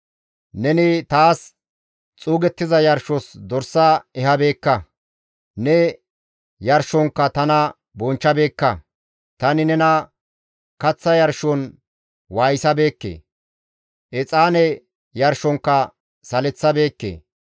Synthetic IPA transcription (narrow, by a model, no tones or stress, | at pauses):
nɛnɪt̪aːs | t͡sʼuːɡɛt̪ːɪzɐjɐɾʃɔsd̪ɔɾsːɐɛhɐbe̞ːkːɐ | nɛ | jɐɾʃɔŋkːɐt̪ɐnɐ | bɔnt͡ʃːɐbe̞ːkːɐ | t̪ɐnɪnɛnɐ | kɐt͡sːɐjɐɾʃɔn | waːjsɐbe̞ːkːḛː | ʔɛt͡sʼaːnɛ | jɐɾʃɔŋkːɐ | sɐlɛt͡sːɐbe̞ːkːḛː